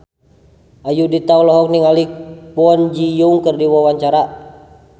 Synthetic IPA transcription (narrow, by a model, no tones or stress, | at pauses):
ʔajudit̪aulɔɦɔk̚niŋalipɔnd͡ʒijuŋkərdiwawaɲt͡ʃaɾa